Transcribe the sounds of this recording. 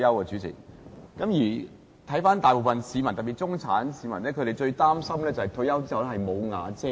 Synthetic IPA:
jɐ˥wkɛː˧t͡syː˨˥t͡sʰɪ̰˨˩k̚kɐ˨˥mjiː˨˩ | t̪ʰɐ˨˥jfaː˥nt̪aː˨jpo˨˩wfɐ˨nsiː˨˧mɐ˨˩nt̪ɐ˨˩piː˨t̚t͡sʊ˥ŋt͡sʰaː˨˥nsiː˨˧mɐ̰˨˩nɛː˥kʰɵ˨˧ɾe˨jt͡ʃɵ˧ɥt̪aː˥msɐ˥mlɛː˥t͡sɐ˨˩hɐ˨jt̪ʰɵ˧˥jɐ˥wt͡siː˥hɐ˨wlɛ˥hɐ˨jmo˨˧wŋa̰ː˨˧t͡sɛː˥

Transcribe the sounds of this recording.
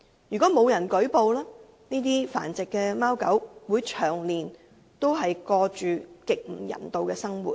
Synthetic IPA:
jyː˨˩kɔ˨˥mo˨˧wjɐ˨˩nkɵ˨˥ɥpo˨˧wlaː˥ | niː˥t̪̬iː˥fa̰ː˨˩nt͡sɪ˨kːɛː˧maː˥wkɐ˨˥wwuː˨˥jt͡ʃʰœː˨˩ŋliː˨n | t̪o˥wɦɐ˨jkɔː˧t͡ʃyː˨kɪ˨k̚m̩˨˩jɐ̰˨˩nt̪o˨wkɛː˧sɐ˥ŋwṵː˨t̚

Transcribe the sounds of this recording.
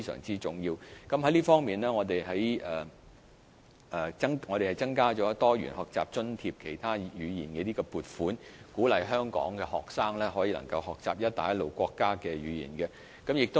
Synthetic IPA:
e˥jsœ̰ː˨˩ŋt͡siː˥t͡sʊ˨˩ŋjiː˧wkɐ˨˦mhɐ˨˥jliː˥fɔː˥ŋmiː˨nlɛː˥ŋɔː˨˧t̪e˨jɦɐ˨˥jɛː˨˩ | ʔɛː˨˩t͡sɐ˥ŋŋɔː˨˧ɾe˨˩hɐ˨˩jt͡sɐ˥ŋkaː˥t͡ʃɔː˨˥t̪ɔː˥jɥy̰˨˩nhɔː˨k̚t͡sa̰ː˨p̚t͡ʃɵ˥nt̪ʰiː˧p̚kʰe˨˩jt̪ʰaː˥jyː˨˧jḭː˨˩nkɛ˧t̪iː˥ɡɔː˧puː˨t̚fuː˨˥nkuː˨˥lɐ˨jɦœː˥ŋkɔ̰ː˨˥ŋkɛ˧hɔː˨k̚saː˥ŋlɛː˥ɦɔː˨˥jiː˨˧lɐ̰˨˩ŋkɐ˧whɔː˨k̚t͡sa̰ː˨p̚jɐ˥t̚t̪a̰ː˨jɐ˥tlo˨wkʷɔː˧kːaː˥kɛː˧ɥyː˨˧jḭː˨˩nkɛ˧ | kɐ˨˥mjɪ˨k̚t̪o˥

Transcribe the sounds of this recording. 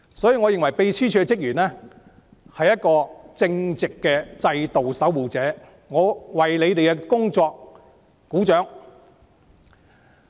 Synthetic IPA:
sɔː˨˥jiː˧ŋɔː˨˧jɪ˨ŋwɐ˨˩jpe˧jsʰiː˥t͡ʃʰyː˨˥kɛ˧t͡sɪ˥k̚jyː˨˩nɛː˥ | hɐ˨jɐ˥t̚kɔː˧t͡sɪ˧ŋt͡sɪ˨kːɛː˧t͡sɐ˧jt̪o˨wsɐ˨˥wwuː˨˩t͡sɛː˨˥ | ŋɔː˨˧wɐ˨jle˨˧jt̪e˨jkɛ˧kʊ˥ŋt͡sɔː˧k̚ː | uː˨˥t͡ʃœː˨˥ŋ

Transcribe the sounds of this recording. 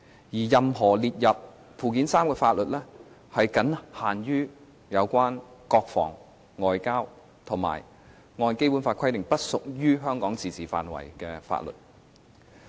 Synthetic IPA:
jiː˨˩jɐ˨mɦɔː˨˩liː˨t̚jɐ˨p̚ | pʰuː˨˩kiː˨˥nsaː˥mkɛː˧faː˧t̚lɵ˨t̚lɛː˥ | hɐ˨jkɐ˨˥nhaː˨˩njyː˥ | jɐ˨˧wkʷwaː˥nkɔː˧k̚fɔ̰ː˨˩ŋ | ŋɔː˨˧jkaː˥w | t̪ʰʊ˨˩ŋma̰ː˨˩j | ŋɔː˧nke˥jpuː˨˥nfaː˧tkʰɐ˥jt̪ɪ˨ŋpɐ˥t̚sʊ˨k̚jyː˥ɦœː˥ŋkɔː˨˥ŋt͡siː˨t͡siː˨˩fa̰ː˨nwɐ̰˨˩jkɛː˧fa̰ː˧t̚lɵ̰˨t̚

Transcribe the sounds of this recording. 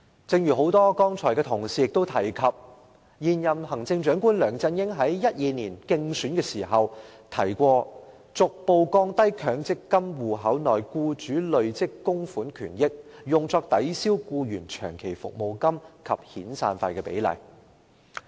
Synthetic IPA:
t͡sɪ˧ŋjyː˨˩ɦo˨˥wt̪ɔː˥kɔː˥ŋt͡ʃʰɔː˨˩jkɛː˧t̪ʰʊ˨˩ŋsiː˨jɪ˨k̚t̪o˥wt̪ʰɐ˨˩jkʰɐ˨p̚ | jiː˨njɐ˨mhɐ˨˩ŋt͡sɪ˧ŋt͡ʃœː˨˥ŋkuː˥nlœː˨˩ŋt͡sɐ˧njɪ˥ŋɦɐ˨˥jːɐ˥t̚jiː˧niː˨˩nkɪ˧ŋsyː˨˥nkɛː˧siː˨˩ɦɐ˨w | t̪ʰɐ˨˩jkʷɔː˧ | t͡sʊ˨k̚po˧wkɔː˧ŋt̪ɐ˥jkʰœː˨˥ŋt͡sɪ˥kːɐ˥mwuː˨˩ɦɐ˨˥wnɔː˨jkuː˧t͡ʃyː˨˥lɵ˨˧ɥt͡sɪ˥kːʊ˥ŋfuː˨˥nkʰyː˨˩njɪ˥k̚jʊ˨ŋt͡sɔː˧k̚t̪ɐ˨˥jsiː˥wkuː˧jyː˨˩nt͡ʃʰœ̰ː˨˩ŋkʰe˨˩jfʊ̰˨k̚mo˨wkɐ˥mkʰɐ̰˨p̚hiː˨˥nsa̰ː˧nfaː˧jkɛː˧pḛ˨˥jlɐ̰˨˩j

